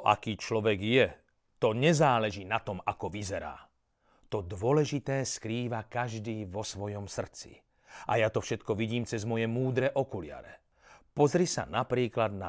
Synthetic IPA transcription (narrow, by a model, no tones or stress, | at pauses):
ʔa̰kiːt͡ʃlɔʋɛɡjɛ | t̪ɔɲɛzaːlɛʒinat̪ɔmakɔʋizɛɾa̰ː | t̪ɔd̪ʋʊɔlɛʒit̪ɛːskɾiːʋakaʒd̪iːʋɔsʋɔjɔmsr̩t͡sḭ | ʔa̰jat̪ɔfʃɛt̪kɔʋiɟiːmt͡sɛzmɔjɛmuːd̪ɾɛʔɔkulɪa̰ɾɛ | pɔzɾisa̰napɾiːklad̪na